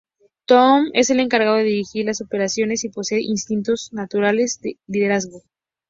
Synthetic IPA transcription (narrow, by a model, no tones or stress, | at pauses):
t̪ome̞se̞le̞ŋkaɾɣaðo̞ðeðiɾixiɾlaso̞pe̞ɾasjo̞ne̞sipo̞seʔinst̪int̪oznat̪uɾale̞zðeliðe̞ɾazɣo